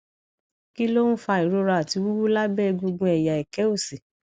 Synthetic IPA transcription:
ki˦lo˦nũ˦fa˧i˨ɾo˧ɾa˧˨a˨ti˧wu˦wu˦la˦bɛ˦˧ɡu˧ɡũ˧ɛ˨ja˨ɛ˨kɛ˨˦o˦˨si˨

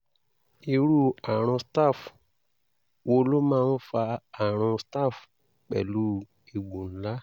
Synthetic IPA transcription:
i˧ɾu˦˨a˨ɾ̃ɔ̃˧sta˦˨f | wo˧˦lo˦mãː˦˧˦fa˧a˨ɾ̃ɔ̃˧sta˦˨f | k͡pɛ̰˨lu˦ | i˨ɡũ˨n̩˦la˦

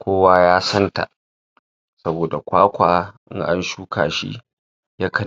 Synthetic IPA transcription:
kʷʰoː˦waː˦jaː˦sɐ˦nta̰˨ʔ | sɐ˦boː˨da˨kʷaː˦kʷaː˨ʔɪ̰˦ŋʔa˦nʃuː˦kaː˨ʃḭ˦ | ja˦kʰɐ˦

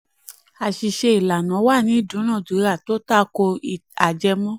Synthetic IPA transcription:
a˨ʃi˨ʃe˧i˨la˨nã˨˦wa˦˨nĩ˨˦i˦˨dũ˨˦nã˦˨du˨˦ɾa˦˨to˦ta˦˨˧ko˧˨a˨d͡ʒɛ˧mɔ̃˦

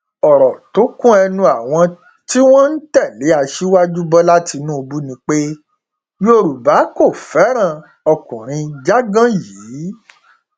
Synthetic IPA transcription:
ɔ˨ɾɔ˨to˨˦kũ˦ɛ˧nũ˧a˨w̃ɔ̃˧ | ti˦w̃ɔ̃˦n̩˦tɛ˦˨le˨˦a˧ʃi˦wa˦d͡ʒu˦bɔ˦la˦ti˧nũ˦o˧bu˦nĩ˧k͡pe˦ | jo˧ɾu˨ba˨˦ko˦˨fɛ˨˦ɾ̃ã˦˨ | ɔ˧kũ˨ɾ̃ĩ˧d͡ʒa˦ɡã˦jiː˨˦

